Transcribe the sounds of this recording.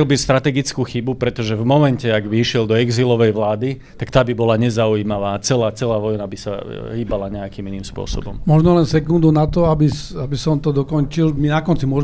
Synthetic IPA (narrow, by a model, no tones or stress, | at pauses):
ɛlbist̪ɾat̪ɛɡit͡skuxibupɾɛt̪ɔʒɛvmɔmɛncɛaɡbiʃɪɛld̪ɔɛɡzilɔʋɛjʋlaːd̪it̪akt̪aːbibɔlaɲɛzaujiːmaʋaːt͡sɛlaːt͡sɛlaːʋɔjnabisa̰ɦiːbalaɲɛakiːminiːmspʊɔ̰sɔ̰bɔ̰mmɔʒnɔlɛnsɛkund̪unat̪ɔabisabisɔmt̪ɔd̪ɔkɔnt͡ʃilminakɔnt͡simʊɔʒ